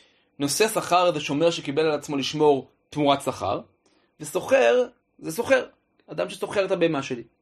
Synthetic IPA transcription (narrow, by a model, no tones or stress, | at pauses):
no̞se̞saχaʁzeʃomeʁʃekibe̞lalat͡smo̞liʃmo̞ʁ | t̪muʁat̪saχa̰ʁ | veso̞χe̞ʁ | zeso̞χe̞ʁ | ad̪amʃeso̞χe̞ʁet̪abeːmaʃe̞li